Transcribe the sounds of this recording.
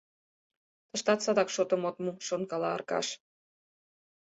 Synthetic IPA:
t̪ə̆ʃt̪ɑt̪t͡sɑd̪ɑkʃot̪ə̆mot̪muʃonkɑlɑɑ̰rkɑ̰ʃ

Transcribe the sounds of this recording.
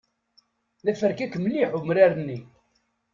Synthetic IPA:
ðæfəɾkækːmlːiħʊmɾaɾənːi

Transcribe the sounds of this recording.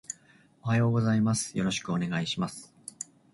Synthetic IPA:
o̞hajo̞ːɡo̞zaimasɨ̥jo̞ɾo̞ɕi̥kɯo̞ne̞ɡaiɕimasɨ̥

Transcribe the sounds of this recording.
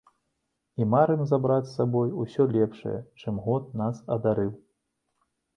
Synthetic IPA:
imaɾɨmzabɾat͡sʲsabɔjusʲɔlʲɛpʂɐ̰jɛ̰t͡ʂɨmɣɔt̪̚nasɐd̪aɾɨw

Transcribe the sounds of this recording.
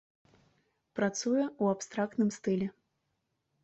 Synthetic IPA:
pɾat̪sujɛuapst̪ɾakt̪nɨmst̪ɨlʲɛ

